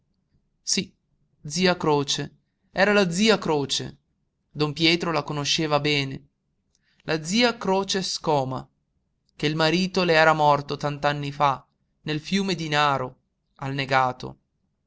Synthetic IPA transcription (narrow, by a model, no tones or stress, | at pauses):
si | d̪ziːakɾoːt͡ʃe | ɛːɾalad̪ziːakɾoːt͡ʃḛ | d̪ompjɛːt̪ɾolakonoʃeːvabɛːne | lʔad̪ziːakɾoːt͡ʃeskɔːma̰ | k̟eilmaɾiːt̪oleɛːɾamɔrt̪ot̪ant̪anːifa | nelfjuːmed̪inaːɾo | alneɡaːt̪o̰